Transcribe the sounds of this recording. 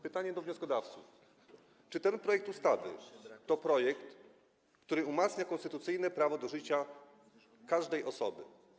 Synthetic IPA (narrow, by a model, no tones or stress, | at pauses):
pɘt̪aɲɛd̪ɔvɲɔskɔd̪aft̪suf | t͡ʂɘt̪ɛnpɾɔjɛkt̪ust̪avɘ̰t̪ɔpɾɔjɛkt̪ | kt̪uɾɘumat̪sɲakɔ̃nst̪ɘt̪ut̪sɘjnɛpɾavɔd̪ɔʐɘt͡ɕa | kaʐd̪ɛjɔsɔbɘ̰